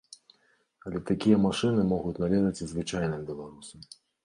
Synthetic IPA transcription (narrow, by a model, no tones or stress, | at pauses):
ɐlʲɛt̪akʲijɐmaʂɨnɨmɔɣut͡sʲnalʲɛzɐt͡sʲzvɨt͡ʂajnɨmbʲilˠaɾusɐm